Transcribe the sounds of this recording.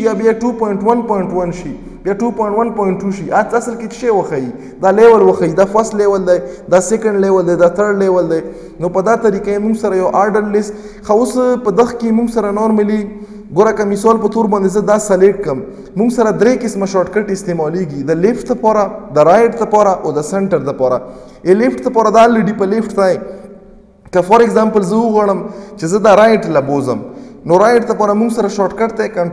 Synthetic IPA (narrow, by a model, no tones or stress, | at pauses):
jabjaʈupojɪɳʈwanpɔjɪɳʈwanʃi | bjaʈupɔjɪɳʈwanpɔjɪɳʈːuʃiʔat͡sasəlket̪ʃewəxai | d̪ɑlewəlwəxawid̪afaslewəld̪ajd̪ɑsekaɳɖlewəld̪ajd̪at̪əɽlewəld̪aj | nopəd̪at̪aɾikamuŋɡsaɾajawʔaɾɖəɾlɪst̪ | xaospəd̪əxkemuŋɡsaɾanoɾmali | ɡoɾakamɪsɑlpət̪oɾbɑnd̪ezəd̪asaleʈ̚kəmː | uŋɡsaɾad̪ɾekɪsmaʃɑʈkaʈɪst̪emɑleɡid̪əlɪfʈd̪əpɑɾad̪əɾajʈ̚d̪əpɑɾaʔod̪əseɳʈəɾd̪əpɑɾa̰ | elɪfʈd̪əpɑɾad̪alːiɖipəlɪfʈt̪aj | kəfaɾɪɡzampəlzəʊɣaɽ̃əmt͡ʃezəd̪aɾajʈlabozəmnoɾajɪʈ̚d̪əpɑɾamuŋɡsaɾaʃɑʈkaʈ̚t̪ajkaɳ